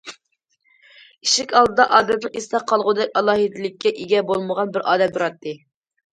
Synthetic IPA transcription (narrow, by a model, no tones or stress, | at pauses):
iʃɪkʲɑlˠd̪ɨd̪ɑʔɑːd̪ɛt̪nɨŋist̪ɑqʰɑlˠʁʊd̪ɛkʲɑlˠɑːɦid̪ɪlɪkʲːɛʔiɡʲɛbolˠməʁɑnbɪɾʔɑ̰ːd̪ɛmd̪uɾɑt̪ːɨ